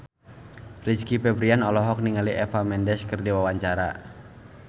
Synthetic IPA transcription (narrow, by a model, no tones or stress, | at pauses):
rit͡ʃkipɛbɾianɔlɔɦɔk̚niŋaliʔɛfamɛndɛskərdiwawaɲt͡ʃaɾa̰